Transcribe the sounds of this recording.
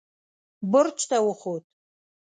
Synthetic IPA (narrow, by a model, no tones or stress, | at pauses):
bʊrt͡ʃʷʰtʰawʊχotʼ